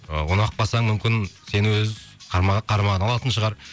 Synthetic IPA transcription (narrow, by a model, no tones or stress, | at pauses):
ə̰wonɑq̚bɑsɑɴmʏmkʲɪnse̞nwɵzqʰɑɾmɑqʰɑɾmɑʁəɑlˠɑt̪ənʃəʁɑɾ